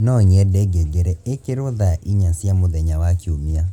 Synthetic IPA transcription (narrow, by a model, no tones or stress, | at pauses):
nɔɲɛdɛɡeɡeɾɛekeɾoðaʔiɲasjamoðɛɲawakiomia